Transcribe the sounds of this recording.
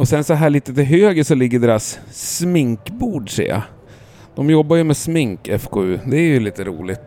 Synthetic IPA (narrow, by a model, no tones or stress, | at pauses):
ɔsɛnsɔɦæːɭiːt̪ət̪ɪlɦøːɡəʂɔlɪɡːəɖeːɾasːmɪŋkbuːɖʂɛ̰ːa̰ | d̪̥ɔmjɔbːajɵmɛsmɪŋkɛfkʰoːʉːd̪ɛæɾjɵliːt̪əɾṵːlɪt̪